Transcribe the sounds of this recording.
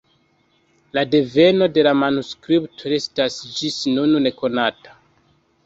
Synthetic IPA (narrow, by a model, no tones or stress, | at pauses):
lade̞ve̞no̞de̞lamanuskɾiptʰoe̞stasd͡ʒisnunne̞ko̞natḁ